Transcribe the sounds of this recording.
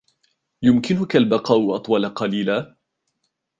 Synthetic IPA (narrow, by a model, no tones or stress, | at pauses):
jʊmkɪnʊkalbɑqɑːʔʊʔɑt̪ˤwɑlaqɑliːla